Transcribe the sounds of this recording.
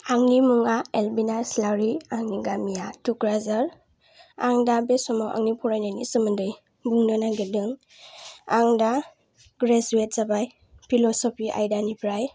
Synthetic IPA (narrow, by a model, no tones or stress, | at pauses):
aŋnimuŋaelbinaslawɾiaŋniɡamijatukɾazaɾ | aŋdabesɔmawʔa̰ŋnipʰɔɾajnajnisɯmɯndɯj | buŋnɯnaɡedɯŋ | aŋda | ɡɾezuet̚z̥abaj | pʰilɔsɔpʰiʔa̰jdanipʰɾaj